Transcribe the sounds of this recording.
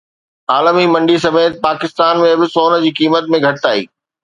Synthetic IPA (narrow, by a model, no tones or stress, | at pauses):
aːlmimɐ̃ɳɖis̬ɐmeːt̪ɪpaːkɪst̪aːnmẽbɪsoːnə̆d͡ʑiːkiːmət̪̚mẽɡʱɐʈɪt̪aːḭː